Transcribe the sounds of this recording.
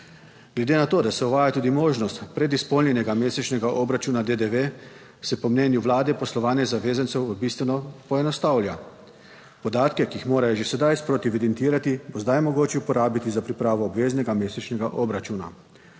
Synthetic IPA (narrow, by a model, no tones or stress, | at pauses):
ɡ̥lɛd̪eːnat̪oːd̪asɛuʋaːjat̪uːd̪imoːʒnɔst̪pɾɛd̪ispɔlnjɛnɛɡameːsɛt͡ʃnɛɡaʔɔbɾat͡ʃuːnad̪ed̪eʋe | sɛpɔmnɛːnjuʋlaːd̪ɛpɔslɔʋaːnɛzaʋeːzant̪sɛwbist̪ʋɛnɔpɔɛnɔst̪awlʲja | pɔd̪aːt̪kɛkiixmoːɾajɔʒesɛd̪ajspɾot̪iʋid̪ɛnt̪iːɾat̪ibozd̪ajmɔɡoːt͡ʃɛupɔɾaːbit̪izapɾipɾaːʋɔːbʋeːznɛɡameːsɛt͡ʃnɛɡaʔɔbɾat͡ʃuːna̰